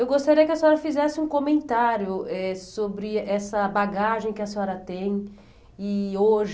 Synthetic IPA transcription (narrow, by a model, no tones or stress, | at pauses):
ewɡost̪aɾiɐkɪɐsẽɔɾɐfizɛsɪũkõmẽnt̪aɾjʊɛsobɾɪɛsɐbaɡaʒẽj̃kɪɐseɔɾɐt̪ẽj̃ | ɪoʒ